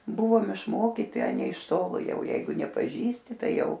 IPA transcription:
ˈbʊʋoːm ɪʃˈmoːkʲiːtʲɪ ɐ ˈnʲɛɪ ɪʃ ˈtoːlˠoː ˈjɛʊ ˈjɛɪɡʊ nʲɛpɐˈʒʲiːsʲtʲɪ ˈtɐɪ ˈjɛʊ

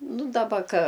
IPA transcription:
ˈnʊ dɐˈbɐ kɐ

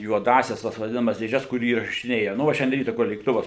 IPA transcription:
juɔˈdɑːsʲɛs tɐs ʋɐˈdʲɪnɐmɐs dʲeːˈʒʲɛs kʊr iːrɐʃʲɪˈnʲeːjɛ nʊ ˈʋɐ ʃʲɛnʲˈdʲiɛ ˈrʲiːtɐ kʊr lʲeːkˈtʊʋɐs

